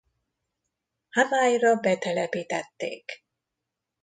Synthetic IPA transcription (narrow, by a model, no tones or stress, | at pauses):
hamaːjrɒbɛt̪ɛlɛpiːt̪ɛt̪ːḛːk